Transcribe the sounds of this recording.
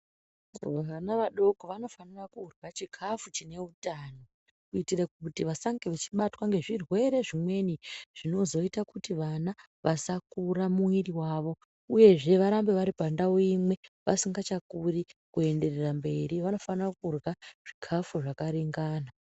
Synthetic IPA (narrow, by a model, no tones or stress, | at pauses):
ʋaʋanaʋaɗo̞koʋano̞fanirakuːrɣat͡ʃikʰafut͡ʃine̞utano | kuitirak̚utiʋasaŋɡeʋet͡ʃi̥ɓatwaŋɡe̞ʐirwe̞ɾe̞ʐimwe̞niʐ̥ino̞zo̞itakutiʋana | ʋʔasakuramuiriwaːʋo̞ | uje̞ʐe̞ʋaɾambe̞ʋaɾipandaoimwe̞ʋa̰siŋɡat͡ʃakurikue̞nde̞rerambe̞ɾiʋano̞fanirakurɣaʐ̥ikʰafuʐakaɾiŋɡaːna